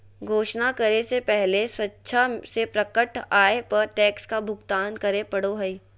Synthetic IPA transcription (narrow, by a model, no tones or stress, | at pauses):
ɡʱoːʃnakɐɾesepɛɦleswɐtːʃʰasepɾɐkəʈʰaːepɐɾʈɛːkskabʱʊɡt̪aːnkɐɾepɐɽoɦɐi